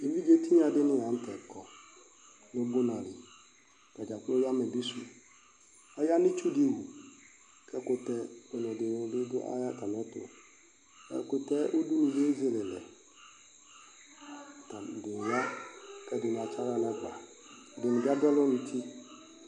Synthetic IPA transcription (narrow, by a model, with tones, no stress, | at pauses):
e˨vi˦d͡ʒe˦ti˦ɲ˦ã˨dɪ˦nɪ̃˦ja˨n̩˦tɛ˨kʰɔ˨ | nʊ˦bʊ˦na˨lɪ̰˨ | ka˨d͡ʒa˨ko˦ja˦mɛ˨bi˦su˨ | a˦ja˦nɪ˦t͡ʃu˦dɪ˦wu˨ | kʰɛ˦kʊ˨tɛ˦ɛ˨nʊ˨dɪ˨de˦dʊ˦a̰˦ja˦ta˨m˨ɔ˦tʊ̰˨ | kʊ˨tɛ˦ʔo˦du˦nĩ˨ze˦zɪ˨lɪ˨lɛ˨ | ta˨dɪ˨n˨ja˦kɛ˦dʊ˨n˨a˨t͡ʃa˦ɾa˦n˨ɛ˦ka˨ | dɪ˨nɪ̃˨da˦dɛ˦lɔ˦nʊ˨tʰi˦